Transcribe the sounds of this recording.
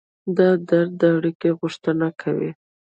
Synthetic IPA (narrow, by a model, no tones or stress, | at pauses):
d̪ɑd̪aɾd̪əaɽikeɣʊʂt̪ənakʰawḭ